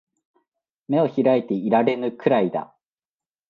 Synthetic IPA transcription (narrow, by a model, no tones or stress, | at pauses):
me̞o̞çiɾait̪e̞iɾaɾe̞nɯ̟kɯ̟ɾaid̪a̰